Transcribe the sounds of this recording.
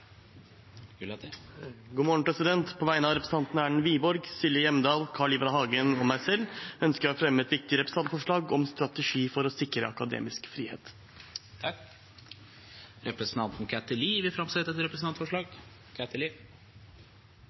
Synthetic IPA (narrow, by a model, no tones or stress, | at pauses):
ɡuːmɔəɳ̩pʰɾɛsɪd̪ɛnt̪pʰɔʋæɪnəɑʋɾɛpʰɾəsn̩ɑnt̪næːɳ̩ʋiːbɔɾɡsɪlɪjɛməd̪ɑːlkʰɑːɭɪbəɾɦɑːɡənɔmæɪsɛlːœnskəɾɑfɾɛmːəɛt̪ʋɪk̚t̪ɪəɾɛpɾəs̩ɑnt̪fɔʂɭɑːɡɔmst̪ɾɑt̪əʂiːfɔɾɔsɪkɾəɑkɑd̪ḛːmɪskfɾiːhḛːt̪ | t̪ʰ | ɾɛpɾəsn̩t̪ɑnt̪nkʰæt̪əliːʋɪfɾɑmsɛt̪ɛt̪ɾɛpɾəsnɑnt̪fɔʂɭɑːɡ | kʰæt̪əli